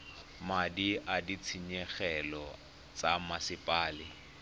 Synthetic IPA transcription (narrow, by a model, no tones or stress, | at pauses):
madiʔadit͡sʰiɲɛχɛlɔ | t͡sʼamasɪpʼaːlɪ